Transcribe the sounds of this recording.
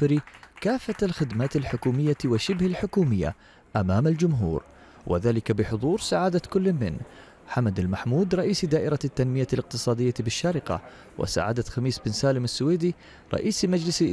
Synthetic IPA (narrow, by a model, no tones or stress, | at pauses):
ɾikaːfːaalxɪd̪maːt̪alħʊkuːmɪjːawɪʃɪbhalħʊkuːmɪjːa̰ | ʔamaːmald͡ʒʊmɦṵːɾ | wʔɪ̰ðaːlɪkabɪħʊðˤuːɾsaʕaːd̪akʊlːmɪ̰n | ħamad̪almaħmuːd̪ɾˤɑʔiːsd̪aːʔɪɾɑt̪ːanmɪjalɪq̚t̪ɨsˤɑːd̪ɪjːabɪʃːaːɾɪqa̰ | wʔɪ̰sa̰ʕa̰ːd̪at̪xamiːsbɪnsaːlɪmɪsːʊweːd̪i | ɾˤɑ̰ʔiːsmad͡ʒlɪs